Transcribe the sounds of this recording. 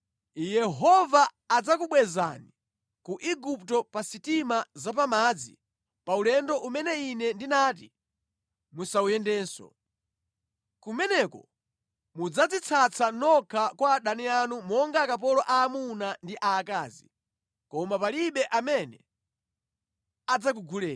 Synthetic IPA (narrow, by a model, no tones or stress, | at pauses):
jɛɦɔvaː | d͡zakuɓwɛza̰ni | kuʔiɡuptɔpasitimazap̬amad͡zḭ | paulɛndɔʔumɛnɛinɛndinaːt̬ḭ | musaujɛndɛːnsɔ̰ | kumɛnɛkɔ̰ | mud͡zad͡zit͡sʰat͡sʰanɔkʰakwaːɗanianumɔŋɡakap̬ɔlɔʔaːmunandiʔaːkaːzḭ | kɔmapaliɓɛʔamɛnɛ | ad͡zak̬uɡulɛː